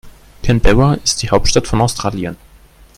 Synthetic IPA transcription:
kʰɛnbɛwɐɪst̚d̥iːhaʊp̚tʃtatfɔnaʊstʁ̥aːljən

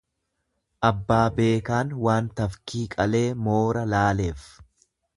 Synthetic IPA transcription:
ʔɐbːaːbe̞ːkaːnwaːnt̪ɐfkiːkʼɐle̞ːmoːɾɐlaːle̞ːf

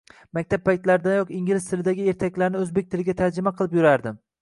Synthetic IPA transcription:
mak̚ʲt̪ʰapːajt̪laɾd̪anjɒqiŋɡʲilɪst̪ʰɪlɪd̪aɡʲɪe̞ɾt̪ʰakʲlaɾnɪɵzbe̞k̚ʲt̪ʰɪlɪɡʲat̪ʰaɾd͡ʒɪmaqʰɨlˠɪpjʊɾaɾd̪ɪm

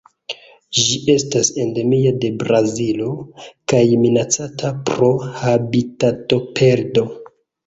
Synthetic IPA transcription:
ʒiʔe̞stase̞nde̞miade̞bɾazilo̞kajminat͡satʰapɾo̞habitato̞pʰe̞ɾdo̞

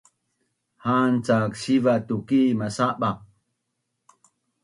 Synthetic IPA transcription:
hant͡sakɕivat̪ukimasaɓa

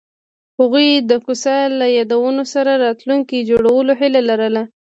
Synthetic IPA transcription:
haɣujd̪əkusɑlajɑd̪awənosaɾaɾɑt̪luŋkid͡ʒoɽawəloɦɪlalaɾəla

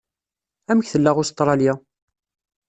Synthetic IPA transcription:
æməçθəlːaʁʊst̪ˤːɾˤɑljæ

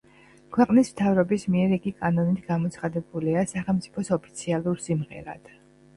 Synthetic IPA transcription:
kʰwɛqʼnismt̪ʰavɾɔbismiɛɾiɡikʼanɔnit̪ʰɡamɔt̪sʰχad̪ɛbuliasaχɛlˠmt̪sʼi̥pʰɔsɔpʰi̥t̪sʰialˠuɾsimʁɛ̰ɾa̰d̪̥

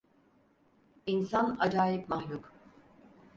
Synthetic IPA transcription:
insanad͡ʒaːjipmahlʲuk

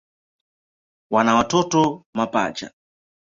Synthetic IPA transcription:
wanawatɔtɔmapa̰t͡ʃa̰

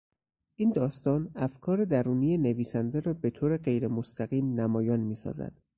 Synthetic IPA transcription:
ʔiːnd̪ɒːst̪ɒːnæfkʰɒːɾe̞d̪æɾuːnijene̞viːsænd̪eɾɒːbe̞t̪ʰoːɾeɢe̞jɾe̞mo̞st̪ʰæɣiːmnæmɒːjɒːnmiːsɒ̰ːzæ̰d̪̥

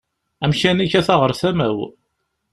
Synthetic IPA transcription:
æmʃænæçæθɑʁəɾˤθæmæw

